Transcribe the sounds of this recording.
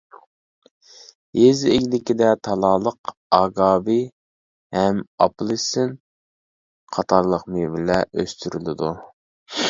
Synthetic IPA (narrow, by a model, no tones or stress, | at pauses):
ezeɡʲlɪkʲid̪ɛt̪ʰɑlˠɑːlˠəqɑːɡɑːbi | hɛmɑ̰plˠɨsɪn | qʰɑt̪ʰɑɾlˠəqmɨbɪlɛʔø̰st̪ʰyɾylɪd̪u